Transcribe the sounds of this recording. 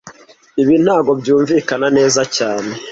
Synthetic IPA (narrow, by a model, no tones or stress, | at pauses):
iβin̥haːɡo̞bjuːɱviːkanane̞ːzacaːne̞